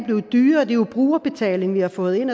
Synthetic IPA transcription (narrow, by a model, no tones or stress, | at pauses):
b̥le̝ʊd̥yːɐd̥e̝ub̥ʁuːɐb̥e̝t͡sʰɛ̰ːle̝ŋʋihɑ̈fɔ̽ːð̩ˠe̝nɒ